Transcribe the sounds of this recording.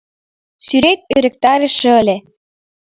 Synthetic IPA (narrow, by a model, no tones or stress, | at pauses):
syɾet̪øɾɘ̆k̚t̪ɑɾĕʃɤ̆ə̆lʲe